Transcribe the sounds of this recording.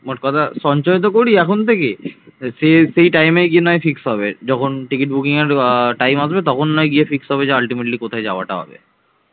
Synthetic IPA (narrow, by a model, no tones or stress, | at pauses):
moʈ̚kɔt̪ʰasɔnt͡ɕɔjt̪̬okoɽiɛkʰont̪ʰekesesejʈajmeɡienɔjfiksɦɔbed͡ʑɔkʰonʈikiʈ̚bukiŋeɾʈajmas̬bet̪̬ɔkʰonːɔjɡiefiksɦɔbed͡ʑealʈimeʈlikot̪ʰaed͡ʑaoa̰ʈaɦɔ̰bḛ